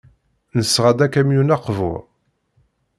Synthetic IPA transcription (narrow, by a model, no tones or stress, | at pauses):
nəsːʁad̪ækæmjunæqvʊ̰ʁ